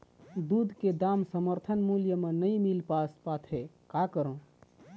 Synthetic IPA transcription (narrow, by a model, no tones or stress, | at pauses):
d̪ud̪ʱked̪amsəməɾt̪ʰənmuljəmenəĩmilpaspat̪ʰekakəɾõ